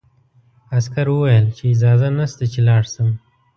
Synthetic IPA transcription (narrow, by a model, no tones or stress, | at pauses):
askaɾwəwajəlt͡ʃeːd͡ʒɑzanast̪at͡ʃelɑɽsəm